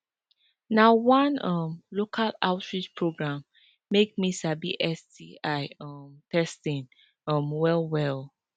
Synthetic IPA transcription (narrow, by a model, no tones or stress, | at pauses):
nawãnʌmlokʰala̰ʊtɹit͡ʃpʰɹoɡɹãmː | ek̚misabiʔɛsdiaɪʌmtɛstĩn | ʌmwɛlwɛl